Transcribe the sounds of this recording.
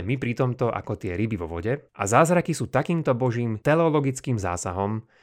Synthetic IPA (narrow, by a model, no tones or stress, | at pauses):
mipɾit̪ɔmt̪ɔʔa̰kɔt̪ɪɛɾibivɔ̰ʋɔ̰ɟɛʔa̰zaːzɾakisuːt̪akiːmt̪ɔbɔʒiːmt̪ɛlɛɔlɔɡit͡skiːmza̰ːsaɦɔm